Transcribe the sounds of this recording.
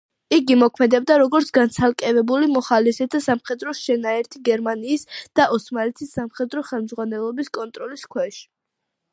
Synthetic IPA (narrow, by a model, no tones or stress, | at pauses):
iɡimɔkʰmɛd̪ɛb̚d̪aɾɔɡɔɾt̪sʰɡant̪sʰalˠkʼɛvɛbulimɔχalɛsɛt̪ʰasamχɛd̪ɾɔʃɛnaɛɾt̪ʰiɡɛɾmaniːsd̪̥aʔɔsmalɛt̪ʰisːamχɛd̪ɾɔχɛlˠmd̪zʁwanɛlˠɔbiskʼɔnt̪ʼɾɔliskʰwɛʃi̥